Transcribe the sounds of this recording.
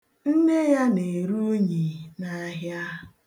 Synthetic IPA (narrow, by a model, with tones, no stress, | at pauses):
n̩˦ne˦ja˦ne˨ɾu˦ɲi˨na˨˦ɦja˦